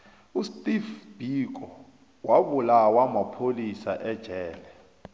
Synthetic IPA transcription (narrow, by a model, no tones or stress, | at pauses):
ustʼifb̥ʱik̬ʼɔ | waɓulawamapʰolisaʔɛd̥ʒ̥ʱɛːlɛ